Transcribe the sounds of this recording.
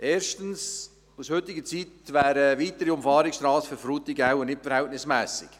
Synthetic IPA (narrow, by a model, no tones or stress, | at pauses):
ʔeːɾʃtən̩s | ushʏt̪ɪɡət͡sit̪ʋæːɾəʋiːt̪əɾiʊmfɑːɾɪkstɾɑːsføɾfɾuːt̪ɪɡawənɪtfɛɾhɛltnɪsmɛːsɪ̰k